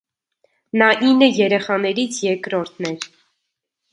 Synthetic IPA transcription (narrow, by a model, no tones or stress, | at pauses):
nɑʔinːəjɛɾɛχɑnɛɾit͡sʰjɛɾkɾɔɾt̪ʰnɛɾ